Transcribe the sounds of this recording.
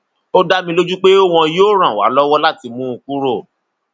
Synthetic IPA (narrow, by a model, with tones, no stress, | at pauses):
o˦da˦mĩ˧lo˦d͡ʒu˦k͡pe˦o˦w̃ɔ̃˧joː˦ɾ̃ã˨wa̰˨˦lɔ˦wɔ˦la˦˨ti˧mũ˦u˧ku˦ɾo˦˨